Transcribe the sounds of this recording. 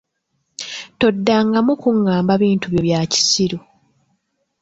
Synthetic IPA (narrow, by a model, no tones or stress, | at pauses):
to̞dːaŋɡamukuŋːaːmbaβiːntuβjoβjaːci̥siɾo